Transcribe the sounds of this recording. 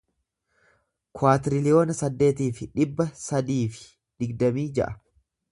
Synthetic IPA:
kwaːt̪ɪɾɪlɪjo̞ːnɐsɐd̪ːe̞ːt̪iːfɪᶑɪbːɐsɐd̪iːfɪ̥ | d̪ɪɡd̪ɐmiːd͡ʒɛ̰ʔɐ̥

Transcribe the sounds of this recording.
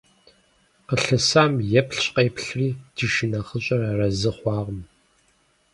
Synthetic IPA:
qəɬɨsaːmjɛpɬɕʼqeːpɬriːd̥ɨʃinɐχəɕʼɐrarɐzɨχʷɑːʁəm

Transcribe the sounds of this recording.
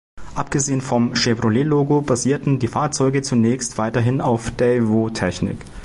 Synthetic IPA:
ʔap̚ɡ̥əzeːənfɔmʃebʁoleːloːɡobaziːɐtn̩diːfaːɐt͡sɔʏɡət͡sunɛːçstv̥aɪtɐɦɪnaʊfd̥ɛvoːtʰɛçnɪ̰k

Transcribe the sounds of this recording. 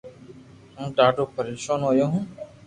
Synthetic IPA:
ɦũːɖaːɖoːpʰəɾiːʃoːnɦoːjoːɦũː

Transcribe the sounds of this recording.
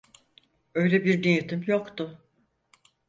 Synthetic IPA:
øjlʲɛbiɾd̪inɯt̪ʰɯmjokt̪ʊ

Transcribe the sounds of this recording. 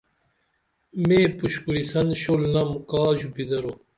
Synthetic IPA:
meːpuɕkuɾisɐnɕolnɐmkaːʑubid̪ɐɾo

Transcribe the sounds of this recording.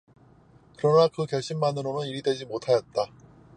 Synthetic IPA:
kɯɾʌnakɯkjʌɭɕ͈imːanɯɾonɯniɾidwe̞d͡ʑimotʰajʌt̚t͈a

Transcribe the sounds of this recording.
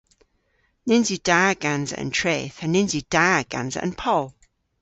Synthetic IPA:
nɪ̃nzid̥aːɡ̥ãnzə̰ʔə̰̃ntʰɹ̥eːθə̃nːɪ̃nzid̥aːɡ̥ã̰nzə̰ʔə̰̃npʰɔlˠ

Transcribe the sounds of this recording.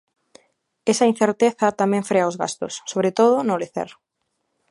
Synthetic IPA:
esɐin̟θeɾt̪eθɐt̪amɛ̃ɱfɾeaozɣa̰st̪ʊ̰sːoβɾet̪oð̞ʊnoleθḛɾ

